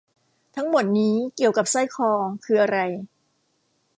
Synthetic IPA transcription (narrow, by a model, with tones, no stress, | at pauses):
t̪ʰa˦˥ŋmo˨˩t̪̚niː˦˥ki˨˩əwka˨˩p̚sa˥˩jkʰɔː˧kʰɯː˧ʔa˧ɾa˧j